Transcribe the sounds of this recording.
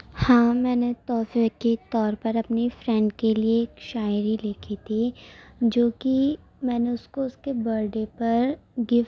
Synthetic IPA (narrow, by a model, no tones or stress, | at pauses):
hãːmɛːnet̪ɔːfekit̪ɔːɾpɐɾɐpnefɾɛ̃ɳɖkelieːkʃaːɪɾilekʰit̪ʰid͡ʒoːki | mɛːneʊskoʊskebɐɾɖepɐɾɡɪf